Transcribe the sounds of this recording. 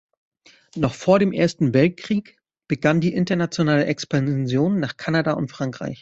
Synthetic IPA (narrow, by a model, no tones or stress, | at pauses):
nɔχfoːɐɾeːmʔḛːɐstn̩vɛlt̚kʁ̥iːk | b̥əɡandiːʔɪntɐnat͡sjonaːləʔɛkspanzjoːnːaːχkʰanadaʊntfʁ̥aŋkʁ̥a̰ɪç